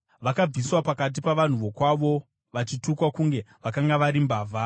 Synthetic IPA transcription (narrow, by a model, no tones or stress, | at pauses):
ʋakab͡viswapakat̬ipaʋan̤uʋo̞kwaʋo̞ | ʋat͡ʃitukwakuŋɡe̞ʋakaŋɡaʋaɾimbaːvʱa